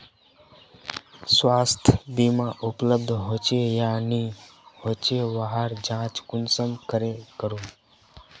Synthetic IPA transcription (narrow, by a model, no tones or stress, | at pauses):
swaːst̪ʰbimãːʔʊpləb̚d̪ʱɦoːt͡ʃejaːnihoːt͡ʃeʋaɦəɾd͡ʒãːt͡ʃkʊnsəmkəɾekəɾũː